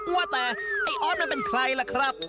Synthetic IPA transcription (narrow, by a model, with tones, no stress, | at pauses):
u˧a˥˧˩t̪ɛː˨˩ʔa˧˩jʔɔː˧˥˩n̚ma˧˥˨pe˧nkʰɾa˧jla˧˩kʰɾa˦˥˩p̚